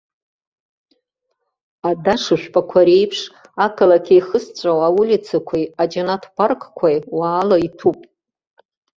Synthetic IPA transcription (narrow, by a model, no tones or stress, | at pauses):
adaʂɨʃʷᶣpʼakʷʰaɾe̞jpʰʂ | akʰalakʲʰejχəst͡ɕʷʼawawulʲit͡sʰakʷʰijad͡ʒanatʰparkʰʼkʷʰajwaːlaitʰupʼ